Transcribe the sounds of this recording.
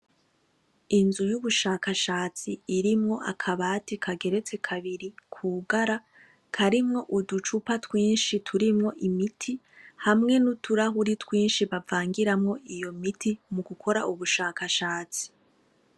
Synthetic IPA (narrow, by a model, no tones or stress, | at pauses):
inzujuβuʃaːkaʃaːt͡siːɾimŋo̞ʔa̰kʰaβaːtikʰaɡe̞ɾe̞t͡se̞kʰaβiɾikʰuːɡaɾa | kʰaɾimŋo̞ʔudut͡ʃupatwiːnʃitʰuɾimŋo̞ʔimitʰi | hamŋe̞nutuɾaɦuɾitwiːnʃiβavaːŋɡiɾamŋo̞ijo̞mitʰimuɡukʰo̞ɾaʔuβuʃaːkaʃaːt͡si̥